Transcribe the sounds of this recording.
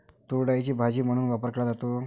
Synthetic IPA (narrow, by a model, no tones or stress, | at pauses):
t̪uɽajt͡ɕiːbʱad͡ʑiːm̤əɽ̃uːnʋapəɾkeɭad͡zat̪o